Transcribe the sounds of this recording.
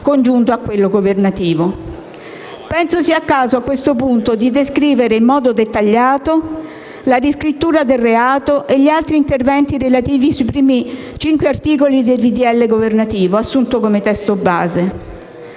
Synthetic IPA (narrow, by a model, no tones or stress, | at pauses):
kond͡ʒunt̪oakːwelːoɡovernat̪iːvo | pɛnsosiakːaːzoakːwest̪opunt̪od̪id̪eskɾiːveɾeimːɔːd̪od̪et̪ːaʎːaːt̪o | ladiskɾit̪ːuːɾad̪elreaːt̪oʔeʎːialt̪ɾiːnt̪ervɛnt̪iɾelat̪iːvisuipɾiːmi | t͡ʃiŋkweart̪iːk̬olid̪elid̪iɛlːeɡovernat̪iːvoasːunt̪okomet̪ɛst̪oba̰ːze